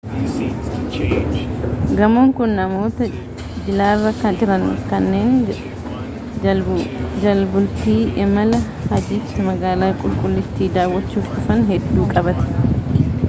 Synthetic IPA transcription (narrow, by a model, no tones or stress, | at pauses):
ɡɐmoŋkʊnːɐmoːt̪ɐ | d͡ʒɪlaːrːɐkɐnᶑɪɾɐnkɐnːe̞ːn | d͡ʒɐlbʊlt̪iːʔɛmɐlɐ | hɐd͡ʒɪt̪ːɪmɐɡaːlaːkʼʊlkʼʊlːɪt̪ːiːd̪aːwːɐt͡ʃːuːft̪ʊfɐnhɛd̪ːuːkʼɐbɐt̪ɪ̥